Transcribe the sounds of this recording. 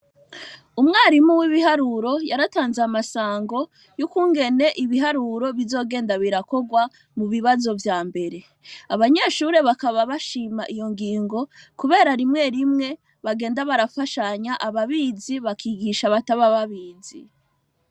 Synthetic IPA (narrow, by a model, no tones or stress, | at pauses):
umŋaːɾimuwiβiɦaɾuɾo̞jaɾataːnzeamasaːŋɡo̞ | jukuːŋɡe̞ne̞ʔiβiɦaɾuɾo̞βizo̞ːɡe̞ːndaβiɾako̞ɡwa | muβiβazo̞vjaːmbe̞ɾe̞ | aβaɲe̞ʃuːɾe̞βakaβaβaʃimaʔijo̞ŋɡiːŋɡo̞kuβe̞ːɾaɾimŋe̞ɾimŋe̞ | βaɡe̞ːndaβaɾafaʃaɲaʔaβaβiziβakʰiːɡiʃaβataβaβaβiːzḭ